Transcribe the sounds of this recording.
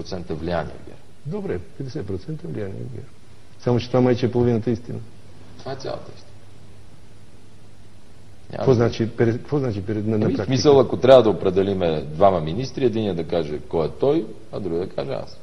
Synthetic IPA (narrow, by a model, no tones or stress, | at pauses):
ot̪sɛnt̪ɛvlʲianḭɛ̰ɡɛ̰ɾ | d̪obɾɛpɛd̪ɛsɛt̪̚pɾot̪sɛnt̪əɛvlʲijanḭɛ̰ɡɛ̰ɾ | samot͡ʃɛt̪ovamajt͡ʃɛɛpolˠovinət̪əist̪inə | t̪ovaɛt̪sʲa̰lˠɐ̰t̪əist̪i | ɲʲa̰vɔznat͡ʃipɛd̪ɛkkvoznat͡ʃipɛɛnnɐpɾaksmisəlˠɐkot̪ɾʲabəd̪ɐopɾɛd̪ɛlimɛd̪vamɐminist̪ɾiɛd̪iniɛd̪ɐkaʒɛkɔɛt̪ɔj | ɐd̪ɾuɡd̪ɐkaʒɛa̰s